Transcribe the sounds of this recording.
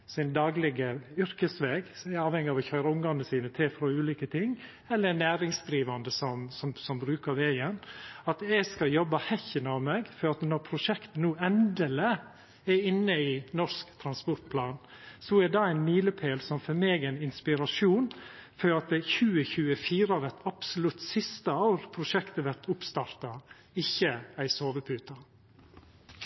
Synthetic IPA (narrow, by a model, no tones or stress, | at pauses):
sɪnd̪ɑːɡlɪɡəʏɾkəsʋeːɡɛɾɑːʋhɛŋːɪɑʋɔçøːɾəʊŋd̪ɑnəsiːnət̪ʰɪlfɾɔʉːliːkət̪ʰɪŋː | ɛlːəɾnæːɾɪŋsd̪ɾiːʋɑnd̪əsɔmsɔmsɔmbɾʉːkɑɾʋeːənɑt̪ɛɡskɑljɔbːɑhɛçənəɑʋmeːɡfɔɾɑt̪nɔɾpʰɾʊʂɛkt̪ənuːɛnd̪ələ | ɛɾɪnːəɪnɔʂskt̪ʰɾɑnspɔɾʈ̪̚pʰlɑːn | sɔɛd̪ɑæɪnmiːləpʰeːlsɔmfɔɾmeːɡæɪnɪnspɪɾɑʂuːnfɔɾɑt̪̚d̪ɛçʉːəçʉːəfiːɾɑʋɛt̪ɑpsʊlʉt̪sɪst̪əɑːɾpʰɾʊʃɛkt̪əʋæɾt̪ʰʊpst̪ɑːɾt̪ɑ | ɪçːəæɪsoːʋəpʰʉːt̪ɑ